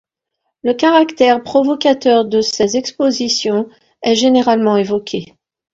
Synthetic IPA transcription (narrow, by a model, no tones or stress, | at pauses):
ləkaʁakt̪ɛʁpχɔvɔkat̪œʁd̪əsɛzɛkspozisjɔ̃ | ɛʒeneʁalmɑ̃evɔkʰʲe